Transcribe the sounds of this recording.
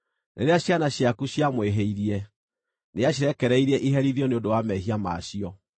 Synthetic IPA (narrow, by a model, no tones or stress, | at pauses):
nʔeɾeaɕjanaɕjakuɕjamweɦeiɾiɛ | neaɕiɾɛkɛɾɛiɾɛʔiɦɛɾiðiɔneondowamɛɦiama̰ɕiɔ